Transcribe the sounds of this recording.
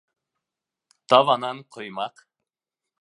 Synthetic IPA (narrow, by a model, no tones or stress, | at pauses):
t̪ɑvɑnɑnqʰojmɑq